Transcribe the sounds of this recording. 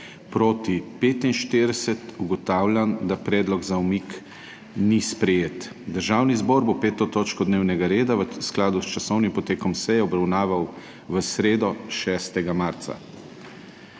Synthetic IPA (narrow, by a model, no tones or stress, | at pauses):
pɾoːt̪ipeːt̪inʃt̪ed̪ɛsɛt̪uɡɔt̪aːwlʲjand̪apɾɛːd̪lɔɡzaumik | nispɾɛjeːt̪ | d̪əɾʒaːwnizbɔːɾbopeːt̪ɔt̪oːt͡ʃkɔd̪neːwnɛɡaɾeːd̪aʋəsklaːd̪ust͡ʃasɔwnimpɔt̪eːkɔmsɛjɛɔbɾawnaːʋaw | ʋəsɾeːd̪ɔʃɛːst̪ɛɡamaɾt̪sa̰